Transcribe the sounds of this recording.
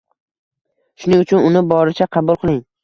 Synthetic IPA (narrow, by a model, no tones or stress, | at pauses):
ʃʊnɪŋʊt͡ʃʰʊnʊnɪbɒɾɪt͡ʃʰaqʰɑbʊlˠqʰɨlˠɪŋ